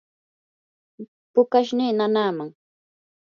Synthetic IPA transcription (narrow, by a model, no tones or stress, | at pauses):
pʊkaʃ̬niːnanaːmaŋ